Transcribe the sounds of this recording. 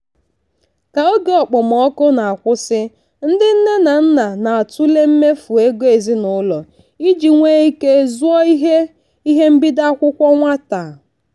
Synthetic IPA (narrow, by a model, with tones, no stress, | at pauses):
ka˨o˦ɡe˨ɔ˨k͡pʊ˨m˨ɔ˦kʊ˦na˨a˨kʷʊ˦sɪ˦ | n̩˦dɪ˦n̩˦ne˦na˨n̩˦na˨na˨a˨tʊ˦le˦m̩˦me˦fu˨e˦ɡo˦e˨zi˦nʊ˦lɔ˨ | i˦d͡ʒi˨ŋʷe˦i˦ke˦zu˦ɔ˦i˦ɦe˦ | i˦ɦe˦m̩˦bi˦da˦a˦kʷʊ˦kʷɔ˦ŋʷa˦ta˨